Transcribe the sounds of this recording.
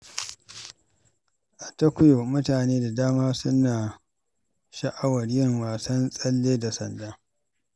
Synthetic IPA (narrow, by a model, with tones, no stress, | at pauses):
ʔa˨tɐ˦kʷʊ˦jo˨mʊ˦taː˨neː˦da˨daː˦maː˦sʊ˦naː˨ | ʃɐ˨ʔa˦wɐ˨rjɪ˦˨ŋwaː˨sɐ˦nsʼɐ˦lːeː˦da˨sɐ̰˨ndaː˦